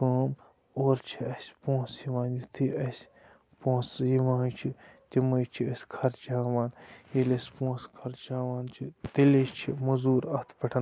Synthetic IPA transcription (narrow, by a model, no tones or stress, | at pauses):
aːm | oːɾt͡ʃʰiɐsʲpõːsjiʋãːnit̪ʰiɐsʲ | põːsjiʋãːnt͡ʃʰit̪imɐjt͡ʃʰiɐsʲkʰɐɾt͡ʃaːʋaːnjilɐsʲpõːskʰɐɾt͡ʃaːʋaːnt͡ʃʰit̪ilet͡ʃʰimɐzuːɾɐt̪ʰpɐʈʰɐn